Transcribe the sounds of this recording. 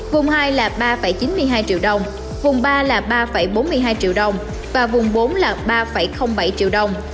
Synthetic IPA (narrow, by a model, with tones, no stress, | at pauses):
vʊ˨˩ŋ͡mhaː˧jlaː˨˩ɓaː˧fə˧˩jt͡ɕi˨˦nmɨ˧əjɦaː˧jt͡ɕḭ˧˨wɗə˨˩wŋ͡m | vʊ˨˩ŋ͡mɓaː˧laː˨˩ɓaː˧fə˧˩jɓo˨˦nmɨ˧jɦaː˧jt͡ɕḭ˧˨əwɗə˨˩wŋ͡m | vaː˨˩vʊ˨˩ŋ͡mɓo˨˦nlaː˨˩ɓaː˧fə˧˩jxə˧wŋ͡mɓa˧˩jt͡ɕḭ˧əwɗə˨˩wŋ͡m